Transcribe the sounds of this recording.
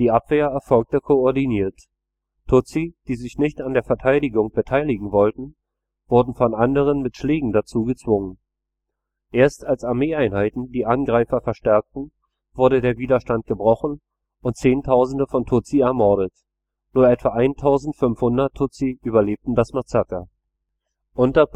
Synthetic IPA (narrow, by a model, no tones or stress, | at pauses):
d̥iːʔapv̥eːɐɛɐfɔlk̚təkʰoɔɐdiniːɐt | tʰʊt͡sid̥iːzɪçnɪçtandeːɐfɛɐtʰaɪdɪɡʊŋb̥ətʰaɪlɪɡŋ̩vɔltn̩ | v̥ʊɐdn̩fɔnʔandəʁ̞ənmɪtʃleːɡŋ̩dat͡suːɡət͡sv̥ʊŋən | ʔeːɐstalsaɐmeːaɪnhaɪtn̩diːʔanɡʁaɪfɐfɛɐʃtɛɐk̚tn̩ | v̥ʊɐɾədeːɐviːdɐʃtant̚ɡ̥əbʁɔχn̩ | ʊnt̚t͡seːntʰaʊzn̩dəfɔntʰʊt͡siɛɐmɔɐɾət | nuːɐʔɛtv̥aʔaɪntʰaʊzn̩tfʏnfhʊndɐtʰʊt͡siʔyːbɐleːp̚tn̩dasmat͡sakɐ | ʔʊntɐ